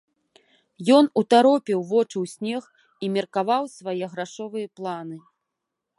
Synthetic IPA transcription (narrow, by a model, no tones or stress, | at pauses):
jɔn̪ut̪aɾɔpʲiwvɔt͡ʂɨwsʲnʲɛx | imʲɛrkavawsvajɛɣɾaʂɔvɨjɐplˠanɨ